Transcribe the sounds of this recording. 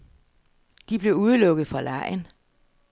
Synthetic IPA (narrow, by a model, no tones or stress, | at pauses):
d̥ib̥le̝uð̞ˠlɔ̽ɡ̥əð̞̩ˠfɒlɑɪ̰n